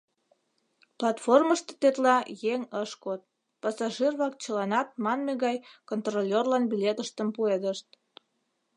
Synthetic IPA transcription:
plɑt̪forməʃt̪o̥t̪et̪lɑjeŋəʃkot̪̚ | pɑsɑʒirβɑkt͡ɕəlɑnɑt̪̚mɑnmeɣɑjkont̪rolʲerlɑnbilʲet̪əʃt̪əmpued̪əʃt̪̚

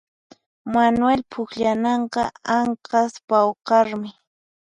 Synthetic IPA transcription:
manʊwelpʰʊkʎanɑɴqɑaɴqɑspawqɑɾmɪ

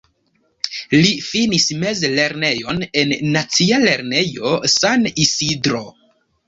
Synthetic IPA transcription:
lifinisme̞zle̞ɾne̞jo̞ne̞nːat͡siale̞ɾne̞jo̞sanisidɾo̞

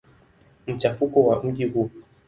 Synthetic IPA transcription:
m̩t͡ʃafukɔwam̩ʄiɦu

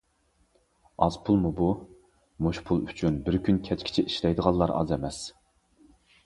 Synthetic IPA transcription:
ɑz̥pʰulˠmubu | moʃpʰulˠyt͡ʃʰynbɪɾkʲʰynkʲʰɛt͡ʃkʲʰi̥t͡ʃʰɛʔiʃlɛjd̪əʁɑlˠːɑɾɑ̰zɛmɛs

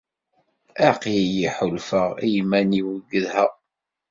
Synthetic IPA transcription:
æqjjiħʊlfəʁijmæniwəɡəðhæ

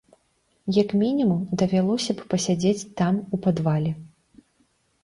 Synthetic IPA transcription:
jɐkmʲinʲimumd̪ɐvʲalˠɔsʲɐppɐsʲad͡zʲet͡sʲt̪amupad̪valʲɛ

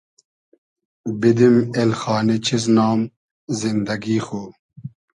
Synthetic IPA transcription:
bid̪imelxɑːnit͡ɕʰiz̬naːm | zind̪ɐɡiːxoː

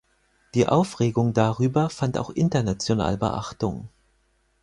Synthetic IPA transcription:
d̥iːʔaʊfʁ̥eːɡʊŋdaʁyːbɐfanta̰ʊxʔɪ̰ntɐnat͡sjona̰ːləbə̰ʔa̰χtʊ̰ŋ

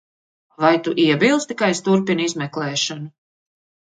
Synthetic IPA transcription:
vajt̪uʔiɛbilˠst̪ikajst̪uɾpinizmɛklˠɛːʃanu

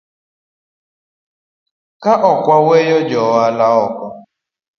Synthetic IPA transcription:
kaʔɔkʷawejɔd͡ʒɔalaɔkɔ

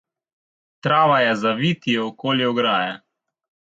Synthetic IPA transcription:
t̪ɾaːʋajɛzaʋit̪iɛɔkoːliɔɡɾaːjɛ

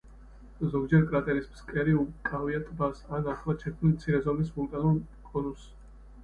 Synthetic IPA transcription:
zɔɡ̚d͡ʒɛɾkʼɾat̪ʼɛɾismskʼɛɾiukʼaviat̪ʼbasanaχlˠat͡ʃʰɛkʰmilmt̪sʰiɾɛzɔmisvulˠt̪ʼanulˠ | kʼɔnus

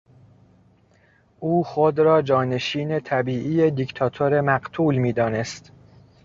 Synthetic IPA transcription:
ʔuːxod̪ɾɒːd͡ʒɒːne̞ʃiːne̞t̪ʰæbiːʔijed̪ikt̪ʰɒːt̪ʰoɾe̞mæɢt̪ʰuːlmiːd̪ɒːne̞st̪

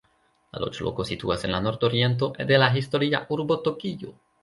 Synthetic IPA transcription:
la̰lʔo̰t͡ʃlo̰kosit̪ṵasenlanoɾt̪oɾjent̪̬oʔed̪elaxist̪oɾiaʔuɾbot̪okiʝo̰

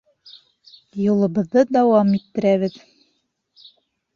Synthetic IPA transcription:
julˠɤ̆bɤ̆ðːɤd̪æwɑmit̪ːɘ̆ɾæβɘð

